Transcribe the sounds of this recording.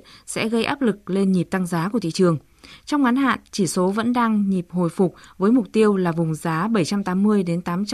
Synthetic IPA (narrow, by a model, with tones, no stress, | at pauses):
sɛ̰˧˥ɣə˧jʔaː˦˥p̚lɨ˨˩k̚le˧nɲi˨˩p̚t̪a˧ŋzaː˨˦ku˧˩ət̪ʰḭ˧˨t͡ɕɨ˨˩əŋ | t͡ɕɔ˧wŋ͡mŋa˨˦nɦa̰ː˧˨nt͡ɕi˧˩so˨˦və̰˧˥nɗaː˧ŋɲi˨˩p̚ho̰˧˨jfʊ˨˩k͡p̚vəː˨˦jmʊ˨˩k͡p̚t̪i˧əwlaː˨˩vʊ˨˩ŋ͡mzaː˨˦ɓə˧˩jt͡ɕa˧mt̪aː˨˦mːɨ˧əjɗe˨˦nt̪aː˨˦mt͡ɕ